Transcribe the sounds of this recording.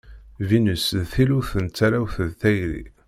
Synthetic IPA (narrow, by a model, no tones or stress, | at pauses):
vinəsðθiluθənt͡sːaɾawθəðθæjɾḭ